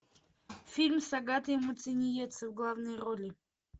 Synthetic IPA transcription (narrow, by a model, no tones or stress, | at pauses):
fʲilʲmsɑɡɑt̪jɛmut͡sinʲijɛt͡sʰəvɡlˠɑvnɨjrɔlʲi